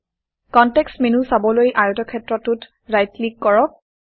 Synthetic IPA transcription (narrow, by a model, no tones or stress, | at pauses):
kɔntɛksmenusabɔlojʔajutɔkʰɛtɹɔtut | ɹajtlikːɔɹɔ